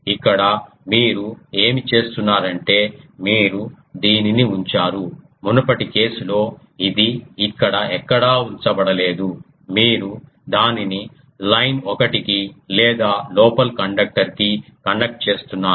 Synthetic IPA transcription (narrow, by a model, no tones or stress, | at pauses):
ikːɐɽɐ | miːɾue̞ːmit͡ʃe̞ːst̪unːaːɾɐɳʈe̞ːmiːɾu | d̪iːniniuɲt͡ʃaːɾu | munupɐʈikeːsulo̞ː | id̪iːkːɐɽɐɛkːɐɽaːuɲt͡ʃɐbɐɽɐle̞ːd̪u | miːɾu | d̪aːnini | lɐjnɔkɐʈikilɛːd̪aːloːpɐlkɐɳɖɐk̚ʈɐɾkikɐnɖɐk̚ʈ̚t͡ʃe̞ːst̪unːaː